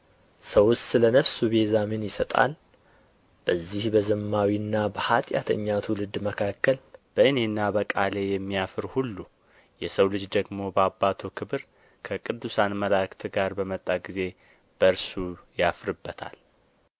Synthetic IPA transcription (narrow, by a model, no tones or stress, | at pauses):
səwʊssɨlənəβsubezaminjɪsət̪ʼa̰l | b̥əzːihbəzɨmːawiɨnːabəhat̪ʼja̰t̪ʰə̰ɲːat̪ʰulɨd̪ːməkʰakːəlb̥əʔɨne̞nːabəkʼale̞jɛmːijafɨɾhulːu | jɛsəwlɨd͡ʒd̪əɡmo̞bəabːat̪ʰokʰɨβɨɾ | kʰəkʼɨd̪ːusanməlakt̪ʰɨɡaɾbəmət̪ʼːaɡize̞ | b̥əɾsujafɾɨbːət̪ʰa̰l